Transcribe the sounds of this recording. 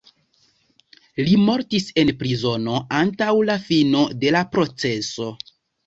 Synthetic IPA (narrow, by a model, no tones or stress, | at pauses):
limo̞ɾtise̞npɾizo̞no̞antawlafino̞de̞lapɾo̞t͡se̞so̞